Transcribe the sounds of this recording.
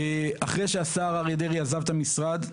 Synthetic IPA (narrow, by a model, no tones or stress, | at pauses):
eaχʁe̞jʃeasaːʁaʁed̪eʁiazavt̪amisʁad̪